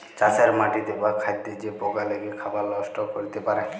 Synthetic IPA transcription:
t͡ʃaseɾmaʈid̪ebakʰajd̪ed͡ʒepɔɡaleɡekʰabalɔsʈɔkoɾit̪epaɾe

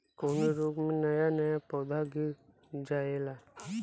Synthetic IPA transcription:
koːneɾuːkmẽnɐjanɐjapɔːd̪ʱaɡi | d͡ʒaːela

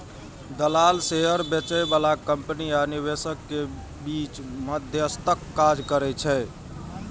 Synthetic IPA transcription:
d̪əlalseɦəɾbət͡ʃəjbalakəmpnianiβesəkːe | bit͡ʃməd̪ʱjəst̪əkːad͡ʒkəɾɛt͡ʃʰɛ

